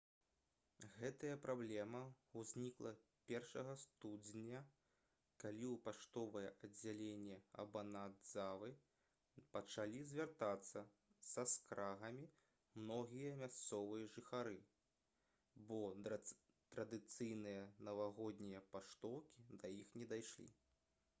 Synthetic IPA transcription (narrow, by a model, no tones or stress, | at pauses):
ɣɛt̪ɐjɐpɾablʲɛmɐ | uzʲnʲiklˠɐ | pʲɛrʂɐɣɐst̪ud͡zʲnʲɐ | kalʲiwpaʂt̪ɔvɐjɛʔɐd͡zʲːalʲenʲːɛɐ̰bɐnad̪zavɨ | pɐt͡ʂalʲizʲvʲart̪at̪sːɐ | sɐskɾaɣɐmʲi | mnɔɣʲijɐmʲast̪sɔvɨjɐʐɨxaɾɨ | bɔ | t̪ɾɐd̪ɨt̪sɨjnɨjɐnɐvaɣɔd̪ʲnʲijɐpaʂt̪ɔwkʲid̪ɐjixnʲɛd̪ajʂlʲḭ